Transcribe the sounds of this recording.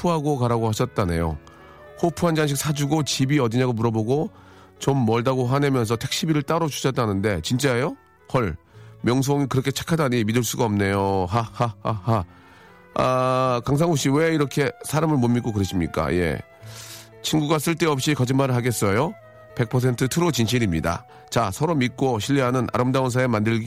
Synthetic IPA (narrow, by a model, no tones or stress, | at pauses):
pʰuɦaɡokaɾaɡohaɕʰʌt̚t͈ane̞̰jo̰ | hopʰuɦand͡ʑaŋɕ̬ʰik̚sʰad͡ʑuɡot͡ɕibiʌdiɲaɡomuɾʌboɡo | t͡ɕomːʌɭdaɡoɦane̞mjʌns̬ʰʌtʰek̚ɕ͈ʰibiɾɯɭt͈aɾot͡ɕu̥ɕʰʌt̚t͈anɯnde̞t͡ɕint͡ɕ͈aejo | kʌɭ | mjʌŋs̬ʰoŋikɯɾʌkʰet͡ɕʰe̥kʰadaɲimidɯɭs͈uɡaʌmne̞joɦahahaha | akaŋs̬ʰaŋɦoɕ͈iwe̞iɾʌkʰe̞sʰaɾamɯɭmomːik͈okɯɾeɕ͈ʰimɲik͈a̰je̞̰ | t͡ɕʰinɡuɡas͈ɯɭt͈e̞ʌp̚ɕ͈ikad͡ʑɯnmaɾɯɭɦaɡe̞s͈ʌjo | pe̞k̚pʰʌs̬ʰe̞ntʰɯtʰɯɾot͡ɕinɕ̬ʰiɾimɲida̰ | t͡ɕasʰʌɾomik͈oɕʰiʎːiɦanɯnʔa̰ɾɯmdauns̬ʰaemandɯɭ